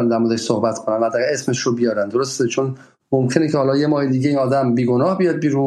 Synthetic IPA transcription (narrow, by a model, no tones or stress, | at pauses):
nd̪æɾmod̪eʃsohbæt̪kʰonænvæd̪ːæːɣæɾesmeʃɾobijɒːɾænd̪o̞ɾost̪et͡ʃʰon | momcʰe̞necʰehɒːlɒːjemɒːhe̞d̪iːɟeiːnɒːd̪æmbiːɡonɒːhbijɒːd̪̚biɾu